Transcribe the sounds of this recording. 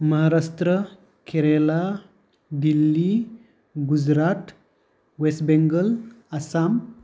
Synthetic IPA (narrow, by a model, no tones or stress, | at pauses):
məɦaɾast̪ɾə | keɾela | d̪ilːi | ɡud͡zɾat̪ | wesbeŋɡəlasam